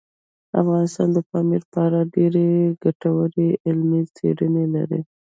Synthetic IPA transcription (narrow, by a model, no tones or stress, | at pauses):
a̰fɣɑnɪst̪ɑnd̪əpɑmiɾpɑɾaɖeɾeɡaʈawəɾeɪlmit͡sḛɽənela̰ɾḭ